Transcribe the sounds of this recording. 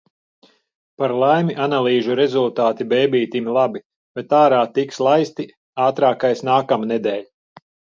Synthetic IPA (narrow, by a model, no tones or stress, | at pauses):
paɾlˠajmiʔanalˠiːʒuɾɛzulˠt̪aːt̪ibɛːbiːt̪imlˠabi | bɛt̪aːɾaːt̪ikslˠajst̪i | aːt̪ɾaːkajsnaːkamnɛd̪ɛːlʲ